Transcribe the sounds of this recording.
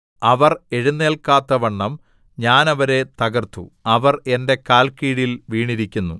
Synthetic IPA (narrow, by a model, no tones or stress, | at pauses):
ɐʋɐre̞ɻunːe̞ːlkaːt̪ːɐʋɐɳːɐm | ɲaːnɐʋɐɾe̞t̪ɐɡɐrt̪ṵɐʋɐre̞nde̞kaːlkiːɽilʋiːɳiɾikʲːunːu